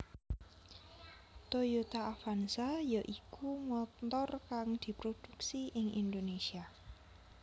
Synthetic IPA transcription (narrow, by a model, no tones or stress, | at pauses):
t̪ojut̪aːfansajəʔikumɔt̪t̪ɔrkaŋd̪̥i̤pɾod̪̥uksiʔɪŋʔḭnd̪onesia